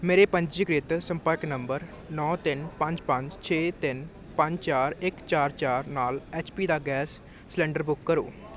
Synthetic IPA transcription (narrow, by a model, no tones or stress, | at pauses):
meːɾeːpəɲd͡ʒd͡ʒiːɡɾɪt̪səmpəɾknəmbəɾ | nɔːt̪ɪnpəɲd͡ʒpəɲd͡ʒt͡ʃʰeːt̪ɪn | pəɲd͡ʒt͡ʃaːɾɪkt͡ʃaːɾt͡ʃaːɾnaːleːt͡ʃpiːd̪aːɡɛːsː | lɛ̃ːɳɖəɾbʊkːəɾo̰ː